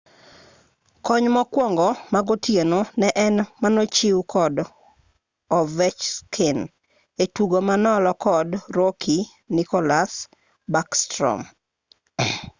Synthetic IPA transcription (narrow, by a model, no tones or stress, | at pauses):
kɔɲmɔkwɔŋɡɔmaɡotjenonɛʔɛnmanot͡ʃiwkɔd | ɔvɛt͡ʃskʰɪn | etuɡomanɔlɔkɔdɾokʰi | nɪkɔlas | bakstɾɔ̰m